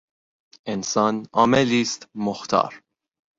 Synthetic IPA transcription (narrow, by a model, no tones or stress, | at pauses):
ensɑːnɒːmeliːst̪moxt̪ʰɑ̰ːɾ